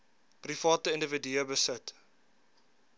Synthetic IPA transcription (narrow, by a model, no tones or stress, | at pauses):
prifɑːtəəndəvədyəbəsət